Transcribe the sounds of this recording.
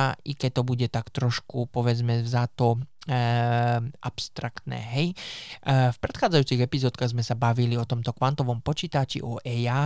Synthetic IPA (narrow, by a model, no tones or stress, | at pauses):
ikɛc̚t̪ɔbuɟɛt̪akt̪ɾɔʃkupɔʋɛd͡zmɛzat̪ɔ | ʔapst̪ɾakt̪nɛ̰ːɦɛj | fpɾɛt̪xaːd͡zajuːt͡siɣɛpizɔːt̪kaɣzmɛsabaʋiliɔt̪ɔmt̪ɔkʋant̪ɔʋɔmpɔt͡ʃiːt̪at͡ʃḭʔɔʔɛja